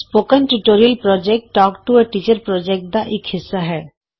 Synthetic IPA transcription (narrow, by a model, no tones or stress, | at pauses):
spoːkə̃nʈuʈoːɾiəlpɾɔːd͡ʒɛk̚ʈːɔːkʈueʈiːt͡ʃəɾpɾɔːd͡ʒɛk̚ʈ̚d̪aʔɪkhɪsːaɦɛː